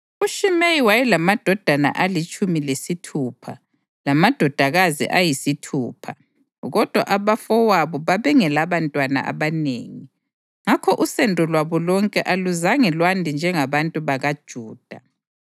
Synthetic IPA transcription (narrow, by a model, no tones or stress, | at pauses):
uʃimejiwajɛlamad̥ʱɔd̥ʱana̰ʔalit͡ʃʼumilesitʰuːpʰa̰ | lamad̥ʱɔd̥ʱaɣazḭʔajisitʰuːpʰa̰ | ɣɔd̥ʱwa̰ʔaβafɔwaβɔβaβɛŋɛlaβantʼwana̰ʔa̰βanḛːŋi | ŋakʰɔʔusɛndʱʼɔlwaβɔlɔŋkʼɛʔaluzaŋɛlwandʱind͡ʒʱɛŋaβantʼuβaɣad̥ʒ̥ʱuːd̥ʱa